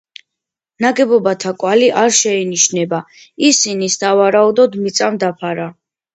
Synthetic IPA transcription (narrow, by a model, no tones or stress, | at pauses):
naɡɛbɔbat̪ʰakʼwaliʔaɾʃɛiniʃnɛba | isinisavaɾaud̪ɔd̪mit̪sʼamd̪apʰaɾa